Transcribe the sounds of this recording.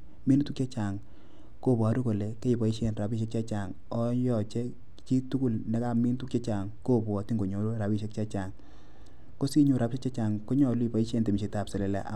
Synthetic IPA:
mi˦n˦tu˦kt͡ʃe˦t͡ʃa˨ŋ | ko˦˨pwa˨˦ɾu˦ko˨le˨ke˦i˨pa˨˦i˦ʃe˨nra˨bi˦ʃ̬e˦k̚t͡ʃa˦t͡ʃa˨ŋ | ɔ˦jɔ˨t͡ʃe˦ | t͡ʃi˦tu˦ku˦˨lne˦ka˦mi˦n˦tu˦kt͡ʃe˦t͡ʃa˨ŋko˦bwɔ˨ti˦ŋɡo˨ɲo˨˦ɾu˦ɾa˨pi˦ʃe˦kt͡ʃe˦t͡ʃa˨ŋ | ko˦si˦ɲo˨ɾa˨˦pʃe˦kt͡ʃe˦t͡ʃa˨ŋko˦ɲɔ˨lu˦i˨pa˨i˦ʃe˦nte˨mi˨ʃe˨ta˨pse˨le˨lɛ̰˨˦ʔa˨

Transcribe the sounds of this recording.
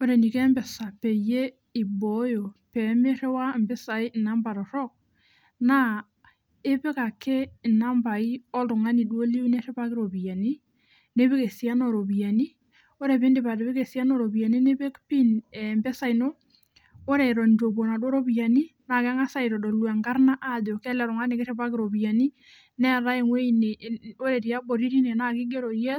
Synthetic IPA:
o˦ɾɛ˨ni˨kɛ˦mbɛ˨sa˨pɛ˨je˦ | i˨bɔ˨˦jo˨pɛ˨˦me˦ɾe˦wa˦mbe˦sa˨i˦˨na˨˦mba˨ɾɔ˨ɾɔ˦k̚ | na˦ | e˦pe˦ka˨kʰe˦˨na˦mba˨i˦ɔ˦lo˨ŋa˦ni˨do˦li˦u˦ne˦ɾɛ˦pa˦kɪ˦ɾo˨bi˨a˨ni˦ | ne˦βe˦ke˨sja˦nɔ˨ɾo˨bja˨ni˦ | o˦ɾe˨βe˦nde˨βa˨do˨βe˦ɣe˨sja˦no˨ɾo˨βja˨ni˦ne˦βe˦kpi˦nɛ˨mbɛ˦sa˦i˨no˦ | o˦ɾe˨ɾɔ˨ndo˨βo˨na˨dwo˦ɾo˦βi˨a˨ni˦na˨ka˦ŋa˦sa˦i˨ɾɔ˨dɔ˨lwa˨ŋɡa˦ɾna˦ʔa˦ðo˨kɛ˦lɛ˨ɾɔ˨ŋa˦ne˨ke˦ʃɛ˦βa˦ke˨ɾɔ˨βi˨a˨ni˦ | nɛ˦ɾa˦e˦˨ŋwe˦i˦ne˨o˦ɾe˨ɾi˨a˦bo˨ɾi˦ɾi˦ne˨na˨ki˦ɡe˦ɾɔ˨jɛ˦

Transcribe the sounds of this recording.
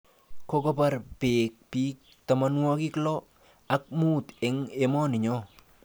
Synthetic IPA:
ko˦ko˦pa˦ɾpeː˨k̚piː˦k̚ | ta˨ma˦nwɔ˦ki˦klɔ˦ | a˦k̚mu˦t̪e˨ŋe˦mɔ˦nɪ˨ɲɔ˦

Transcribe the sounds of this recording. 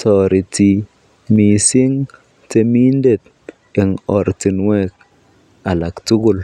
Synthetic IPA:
tɔ˨ɾi˨ti˨ | mi˨si˦ŋ | te˧mi˦nde˨t̚ | ɛ˨ŋɔ˨ɾti˨nwɛ˦k̚ | a˨la˨ktu˦ɡʊ˦˨l

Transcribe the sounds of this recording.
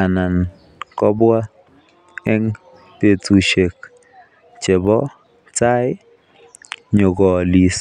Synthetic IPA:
a˨na˨n | kɔ˦bwa˦ | ɛ˦ŋ | te˦˨tu˨ʃe˨k̚ | t͡ʃe˨bɔ˦ | t͡sa˦ɪ˦ | ɲo˨ɡɔ˨li˨s

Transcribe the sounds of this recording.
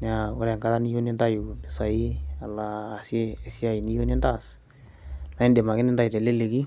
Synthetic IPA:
n˨a˨ʊ˦ɾɛ˨ŋka˦ɾa˦ni˦jo˦ne˦nda˦ju˨bɪ˨sa˨i˦a˨laː˨sjeː˦si˦a˨i˨ni˦jo˦ne˦nda˦˨s | na˨˦i˦nde˨ma˨kɪ˦nɪ˦nda˦ji˨tɛ˨le˦le˨ki˦

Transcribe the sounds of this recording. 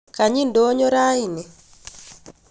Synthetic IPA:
ka˨ɲi˦ndo˦ɲɔ˦ɾa˦i˨nɪ˨

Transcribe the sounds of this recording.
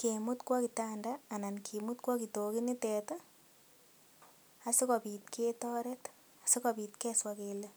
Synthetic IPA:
kemu˦tkwɔ˦ki˨tandaː˨na˨nkʰimutkwɔ˦ki˨to˨ki˦nitɛta | a˨si˦kɔpi˨t̚kʰetɔ˦ɾɛt | a˨si˦kɔ˨pitkɛ˦swakele

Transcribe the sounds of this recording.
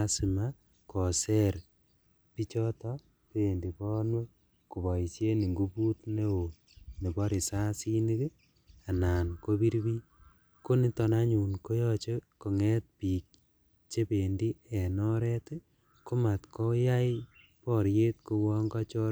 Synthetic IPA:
asi˨ma˦ | kɔ˨sɛ˦ɾ | pi˦t͡ʃɔ˦tɔ˦ | pe˨ndi˨pɔ˦no˦ | ku˨βɔ˨i˨se˦ni˨ŋɡu˦pu˦tne˦o˨ | ni˨bɔ˦ɾi˨sa˦si˦ni˦k | a˨na˨nko˦bi˦ɾbi˦ | ko˦ni˦tɔ˧na˦ɲu˨nko˦jɔt͡ʃe˦ko˨ŋɛ˦t̚pi˨k̚ | t͡ʃe˦pe˨ndi˦e˨nɔ˦ɾɛ˦t | ko˦ma˨tkɔ˦ja˦j | pɔ˨ɾje˦t̚ko˧wɔ˦ŋɡa˦t͡ʃɔ˦

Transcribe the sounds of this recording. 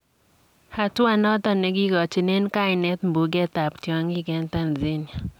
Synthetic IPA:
ha˨twa˦˨nɔ˦t̪ɔ˨nɛ˨ɡi˦ɡɔ˨t͡ʃi˨ne˦nka˦ɪ˨nɛ˦t̪mbu˨ɡɛ˦t̪a˨ptjɔ˨ŋɡi˦ɡɛ˨nt̪a˦˨nzi˦nja˨

